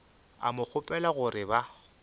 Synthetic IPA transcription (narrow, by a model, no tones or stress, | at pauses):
a̰mʊk͡xʰʊpʼɛlaɣʊɾɪba